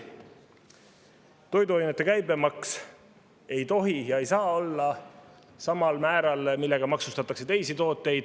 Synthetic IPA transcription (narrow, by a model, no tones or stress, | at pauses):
t̪o̞jd̪uɑjnet̪ːˑe̞kæjbe̞mɑks | e̞jt̪o̞ɦijɑe̞jsɑːo̞lːɑ | sɑmɑlmæːɾɑlmilːe̞ɡ̥ɑmɑksust̪ɑt̪ːˑɑkse̞t̪e̞jsit̪o̞ːt̪ːˑe̞jd̪̥